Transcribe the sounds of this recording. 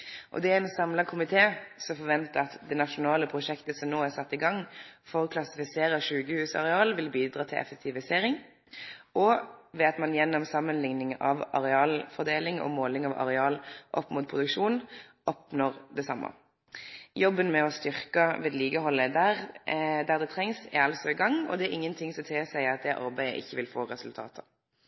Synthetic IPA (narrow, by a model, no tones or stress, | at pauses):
ʔɔ̰d̪ɛæɛnsɑmlɑkʰʊmɪt̪ʰeːsɔmfɔʁʋɛnt̪əɑt̪d̪ɛnɑʃʊnɑːləpʰʁʊʂɛkt̪əsɔmnoːæʁsɑt̪ːɪɡɑŋfɔʁkʰlɑsɪfɪseːɾəʂʉːɡəhʉːsɑ̰ʁɛɑːlʋɪlbiːd̪ɾʁɑːt̪ʰɪlʔɛ̰fək̚t̪ʰɪʋɪseːɾɪŋ | ɔʋɛɑt̪mɑnjɛnːɔmsɑmːənlɪŋnɪŋɑʋɑ̰ʁɛɑːlfɔʁd̪eːlɪŋɔ̰moːlɪŋɑʋʔɑ̰ɾɛɑːlʔɔpːmuːt̪̚pʰʁʊd̪ʉkʂuːnʔɔpnoːʁd̪ɛsɑmːə̰ | jɔbːənmɛɔst̪ʏʁkɑʋeːd̪liːɡəɦɔlːəd̪æʁd̪æʁd̪ɛt̪ʰʁɛŋsɪ̰ɑlsɔɪɡɑŋːɔ̰d̪ɛæɾɪŋːənt̪ʰɪŋsɔt̪ʰeːsæɪɑt̪̚d̪ɛʔɑ̰ɾbæɪə̰ʔɪ̰çːəʋɪlfoːʁɛsʉlt̪ʰɑ̰ːt̪ʰə